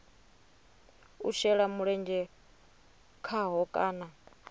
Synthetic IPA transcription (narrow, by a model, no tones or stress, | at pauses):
uʃɛɺamuɺɛnd͡ʒɛ | kʰaɦɔkʼaːna